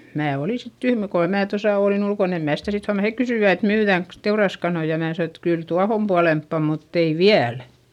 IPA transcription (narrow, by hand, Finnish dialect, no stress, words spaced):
mæː oli sit tyhmæ kohɑ mæː tosɑˑ oˑlin ulkon em mæː sitæ sit huɑmɑn hek kysyˑʋæ et myːðæˑŋks teurɑskɑnoi jɑ mæː sɑno et kyl tuɑhom puɑlempːɑ mutː ei ʋiæl